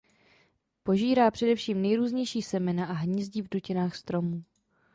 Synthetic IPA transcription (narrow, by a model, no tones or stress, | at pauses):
po̞ʒiːɾaːpr̝̥ɛdɛfʃiːmnɛjɾuːzɲɛjʃiːsɛmɛnaʔaɦɲizɟiːvducɪnaːxst̪ɾo̞muː